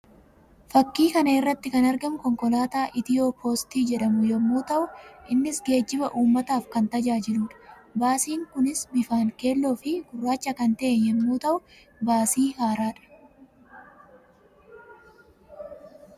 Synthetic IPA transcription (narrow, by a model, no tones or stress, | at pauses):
fɐkːiːkɐnɐɪrːɐt̪ːɪkɐnɐɾɡɐmʊkɔŋkɔlaːt̪aːʔɪt̪ɪjoːpʰo̞ːst̪iːd͡ʒɛᶑɐmʊjɛmːuːt̪ɐʔʊʔɪnːɪsɡe̞ːd͡ʒːɪbɐʔuːmːɐt̪aːfkɐnt̪ɐd͡ʒaːd͡ʒɪluːᶑɐ̥baːsiːŋkʊnɪsbɪfaːŋke̞ːlːo̞ːfɪɡ̥ʊrːaːt͡ʃːɐkɐnt̪ɐʔenjɛmːuːt̪ɐʔʊ | baːsiːhaːɾaːᶑɐ̥